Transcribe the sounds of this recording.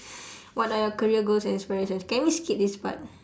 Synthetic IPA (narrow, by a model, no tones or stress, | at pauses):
wɔtajɔkəɹiəɡolsɛ̃nĩnspiɹeʃə̃nskɛ̃nmiskit̚disba̰t̚